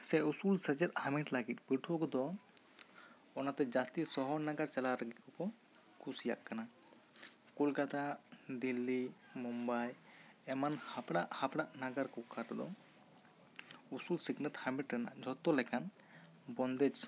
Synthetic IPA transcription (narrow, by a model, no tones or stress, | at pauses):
sɛusulsəd͡ʒɛt̪̚hamiʈlaɡit̪̚biʈʰɔkɔd̪ɔ | ɔnat̪ɛd͡ʒast̪isɔɦɔnaɡaɾt͡ʃalaɾəɡikɔkɔ | kʰusija̰ʔkːana | kolkat̪ad̪ilːi | mumbaj | ɛmanhapɽaʔhapɽaʔnaɡaɾkɔkʰaɾɔd̪ɔ̰ | usulsiɡnət̪hamiʈɾɛna̰d͡ʒʱɔt̪ɔlɛkʰan | bɔnd̪ɛt͡ʃ